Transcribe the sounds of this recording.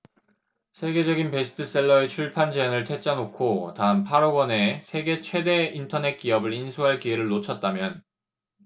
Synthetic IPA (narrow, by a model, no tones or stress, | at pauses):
sʰe̞ɡe̞d͡ʑʌɡinpe̞sʰɯ̥tʰɯs͈e̞ɭːʌet͡ɕʰuɭpʰand͡ʑeʌnɯɭtʰe̞t͡ɕ͈anokʰotaɦɯnpʰaɾoɡwʌne̞sʰe̞ɡe̞t͡ɕʰwe̞de̞intʰʌne̞t̚k͈iʌbɯɾinsʰuɦaɭkieɾɯɭːot͡ɕʰʌt̚t͈amjʌn